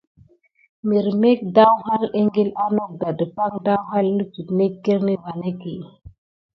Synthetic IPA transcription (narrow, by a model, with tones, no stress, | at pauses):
mi˨ɾme˦k̚da˦wɦa˦le˦ŋɡi˦la˦no˦k̚ɡa˨də˨pa˦ŋda˦wɦa˦lni˦d͡ʒu˨tne˦kːe˦ɾni˦wa˨ne˦ki˨